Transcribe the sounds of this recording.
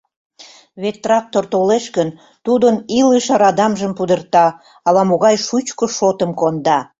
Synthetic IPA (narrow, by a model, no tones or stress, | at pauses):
βet̪ːrɑk̚t̪ort̪oleʃkən | t̪ud̪əniləʃɑɾɑd̪ɑmʒəmpud̪ərt̪ɑ | ɑlɑmoɣɑjʃut͡ɕkoʃot̪əmkond̪ɑ